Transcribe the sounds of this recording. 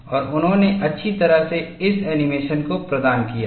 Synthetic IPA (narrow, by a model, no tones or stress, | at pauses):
ɔːɾʊnɦõneʔɐtːʃʰit̪ɐɾəɦseɪsɛːnɪmeːʃənkopɾɐd̪aːnkija̰ː